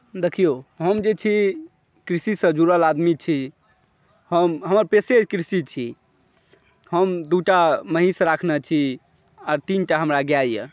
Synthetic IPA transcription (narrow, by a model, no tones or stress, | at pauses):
d̪ekʰijoɦəmd͡ʒet͡ʃʰi | kɾisisə̃d͡ʒuɾəlad̪mit͡ʃʰi | həmɦəməɾpesed͡ʒkɾisit͡ʃʰi | ɦəmd̪uʈaməɦisɾakʰnɛt͡ʃʰi | ɔɾt̪inʈaɦəmɾaɡjajjə̰